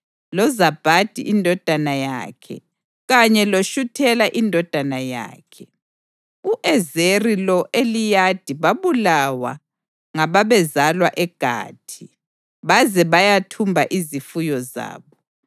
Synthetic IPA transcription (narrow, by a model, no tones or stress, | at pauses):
lɔzab̥ʱad̥ʱḭʔindʱɔd̥ʱanaja̰kʰɛ̰ | ɣaɲɛloʃutʰɛlaʔindʱɔd̥ʱanaja̰ːkʰɛ | uʔɛzerilɔʔelijad̥ʱiβaβulawa̰ | ŋaβaβɛzalwaʔɛɡ̥ʱa̰ːtʰi | βazɛβajatʰumbʱaʔizifujɔza̰ːβɔ